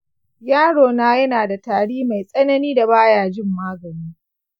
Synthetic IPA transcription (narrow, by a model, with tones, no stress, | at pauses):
jaː˦ɽoː˨naː˦jɐ˦naː˨da˨taː˨ɽiː˦ma˨jsʼɐ˦nɐ˦niː˦da˨baː˦jaː˨d͡ʒɪ˦mːaː˦ɡɐ˨niː˦